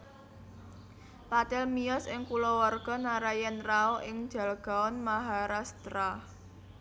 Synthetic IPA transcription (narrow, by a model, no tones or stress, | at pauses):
pat̪ɛlmiɔsɪŋkulɔwarɡ̥ɔ̤naɾajɛnraoʔɪŋ̥d͡ʒ̥a̤lɡ̥a̤ɔnmaɦaɾast̪ɾah